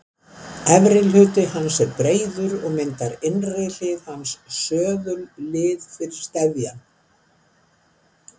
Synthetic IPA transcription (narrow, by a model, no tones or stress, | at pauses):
ɛvɾɪlhʏːt̪ɪhansɛɾpɾeːjðʏɾɔɣmɪnt̪aɾɪnrelɪðhansːœːðʏllɪːðfɪɾɪɾ̥st̪ɛðjan